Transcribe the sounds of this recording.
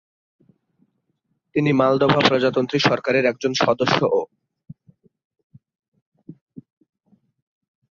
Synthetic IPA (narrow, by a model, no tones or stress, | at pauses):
t̪inimald̪obʱapɾod͡ʑat̪ont̪ɾiʃɔɾkaɾeɾɛk̚d͡ʑonʃɔd̪oʃːoʔo